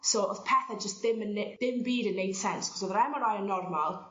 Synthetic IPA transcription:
sowɔθpʰɛθad͡ʒəstðɪmənedɪmbiːdənːejd̥sɛnskʰɔ̥sɔðɾɛməɾajənːɔrmalˠ

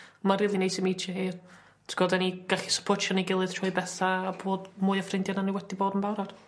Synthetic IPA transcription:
mariːlˠinejsimit͡ʃʰɛhɨːr | tʰɡ̥ɔdɛniɡ̥aɬi̥sə̥pʰɔt͡ʃʃʰjɔniɡɪlˠɨð̥tʰɔɨbɛθaːboːdmʊːjafrɪndjananiwɛdiboːdənbawɾad̥

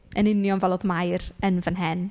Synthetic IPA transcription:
ənɪnjɔnvɛlˠɔðmajrənvənɦɛn

